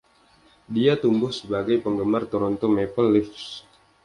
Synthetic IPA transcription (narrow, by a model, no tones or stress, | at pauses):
diat̪umbʊhsəbaɡajpəŋɡəmart̪ɔɾɔnt̪omepəlːɪks